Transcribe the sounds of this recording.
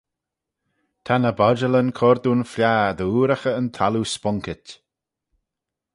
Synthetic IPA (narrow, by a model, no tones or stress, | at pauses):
t̪ʰanəbɔd͡ʒələnkʰɔɾd̪uːnfljaːd̪əuːɾaxəənt̪ʰaluspɔŋkɪt